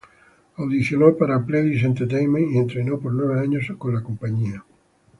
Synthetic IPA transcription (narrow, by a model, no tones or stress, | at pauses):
awðiθjolopaɾapleðisent̪eɾt̪̬ejmẽnient̪ɾenopoɾnweβ̞eaɲoskonlakompaɲia